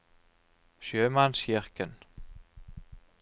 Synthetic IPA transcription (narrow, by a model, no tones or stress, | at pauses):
ʃjøːmansçɪrkən